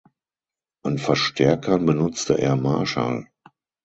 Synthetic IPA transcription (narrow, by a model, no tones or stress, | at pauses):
ʔanfɛɐʃtʰɛɐkʰɐnbənʊt͡stə̰ʔeːɐmaɐʃa̰l